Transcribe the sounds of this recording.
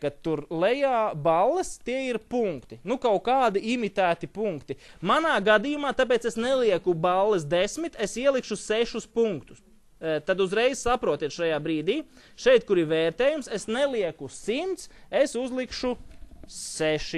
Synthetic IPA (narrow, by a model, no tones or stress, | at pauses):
kat̪ːuɾlˠɛjaːbalˠːɛst̪iɛiɾpuŋkt̪inukawkaːd̪iimit̪æːt̪ipuŋkt̪imanaːɡad̪ijumaːt̪ap̬eːt̪sesnɛlˠiɛkubalˠːɛsd̪esmit̪esiɛlˠikʃuseʃuspuŋkt̪u̥s | t̪ad̪uzɾɛjz̥sapɾuɔt̪iɛt̪ʃajaːbɾiːd̪iː | ʃɛjt̪̚kuɾiɾveːɾt̪eːjumsesnɛlˠiɛkusimt̪sesuzlˠikʃu | seʃi